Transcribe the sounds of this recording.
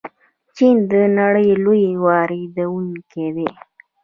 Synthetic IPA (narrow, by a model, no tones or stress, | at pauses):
t͡ʃind̪ənaɽəjlojewɑɾed̪əwunkew̪e